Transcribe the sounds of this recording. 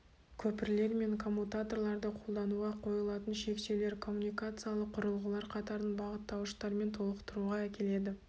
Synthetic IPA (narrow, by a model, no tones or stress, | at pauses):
kʲʰɵpɪɾle̞ɾme̞ŋkʰo̞mːut̪at̪o̞rlˠɑɾd̪əqʰo̞lˠd̪ɑnuʁɑqʰo̞jəlˠɑt̪ənʃe̞kʃe̞wle̞ɾkʰo̞mːunijkat̪sɨjalˠəqʰːʊɾəlˠʁəlˠɑɾqʰɑt̪ɑɾənbɑʁət̪ːɑwʃt̪ɑɾme̞nt̪ʰo̞lˠəqt̪əɾuʁɑækʲe̞le̞d̪ɪ